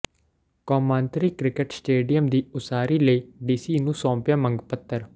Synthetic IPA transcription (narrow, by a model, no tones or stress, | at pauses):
kɔːmãːnt̪ɾiːkɾɪkəʈsʈeːɖijəmd̪iːʊsaːɾiːləiːɖiːsiːnũːsɔ̃ːpjaːməŋɡpət̪ːəɾ